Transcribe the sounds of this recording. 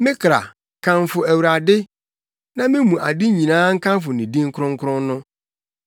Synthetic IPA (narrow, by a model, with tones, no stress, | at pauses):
mɪ̃˦kʰɾa̰˨ | kʰã˨ɱfʊ˨æ˨wu˨ɾa˨dɪ˦ | nã˦mɪ̃˦mũ˨ʔa˨di˦ɲĩ˨nãː˦ŋ̩˦kʰã˦mfʊ˨nĩ˨dĩ˦ŋ̩˦kʰʊ˦ɾʊ̃˦ŋ̩˦kʰʊ̃˦nːʊ̃˦